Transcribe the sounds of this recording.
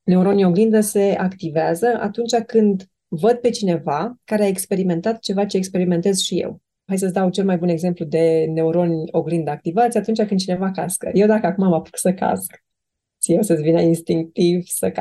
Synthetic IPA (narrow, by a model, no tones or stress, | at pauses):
ne̞uɾo̞nʲio̞ɡlind̪əse̞akt̪iveazəʔa̰t̪unt͡ʃakɨnd̪ | vəd̪̚pe̞t͡ʃine̞vakaɾeaekspe̞ɾime̞nt̪at̪t͡ʃe̞vat͡ʃe̞ːkspe̞ɾime̞nt̪e̞z̥ʃije̞̰w | hajs̬əsd̪awt͡ʃe̞lmajbuneɡze̞mplud̪e̞ne̞uɾo̞nʲo̞ɡlind̪əak̚t̪ivat̪sʲjat̪unt͡ʃakɨnd̪t͡ʃine̞vakaskə̰je̞wd̪akəakumamapu̥ksəka̰sk̪ | sijewsəvinəinst̪iŋk̚t̪ivsəka